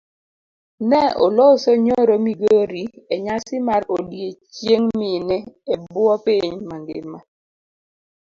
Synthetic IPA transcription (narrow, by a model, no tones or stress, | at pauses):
nɛo̰losoɲoɾomiɡoɾieɲasɪmaɾodjet͡ʃjeŋmɪnɛebwɔpiɲmaŋɡɪ̰ma